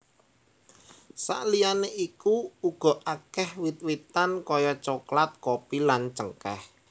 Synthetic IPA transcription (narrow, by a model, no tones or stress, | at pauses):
sa̰ʔlijaneʔikuuɡ̥ɔ̤ʔakɛhwit̪̚wit̪ankɔjɔt͡ʃoklat̪̚kopilant͡ʃəŋkɛ̰h